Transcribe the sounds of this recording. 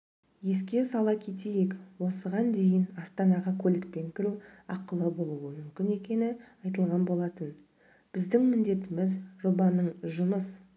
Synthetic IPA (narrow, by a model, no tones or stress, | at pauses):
je̞s̬kʲe̞sɑlˠɑkʲʰe̞t̪ejekwo̞səʁɑnd̪e̞jɪnɑst̪ɑnɑʁɑkʲʰɵlɪk̚pe̞ŋkʲʰɪɾuɑqəlˠəbo̞lˠuwəmʏmkʲɪne̞kʲe̞nɪɑjt̪̬əlˠʁɑnbo̞lˠɑt̪ən | b̥ɪzd̪ɪŋmɪnd̪e̞t̪ɪmɪzʒo̞bɑnəɴʒʊməs